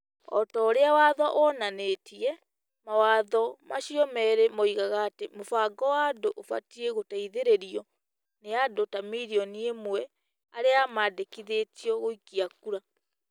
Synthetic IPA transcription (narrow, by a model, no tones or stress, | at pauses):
ɔ̰tɔːɾeawaðɔʔɔnanetiɛ | mawaðɔmaʃiɔmɛɾemɔiɣaɣaːtemofaɡɔwadoʔofa̰tieɣotaiðeɾeɾiɔ | neadotamiɾiɔniemwɛ | aɾeamaːdekiðetiɔɣoikiakuɾa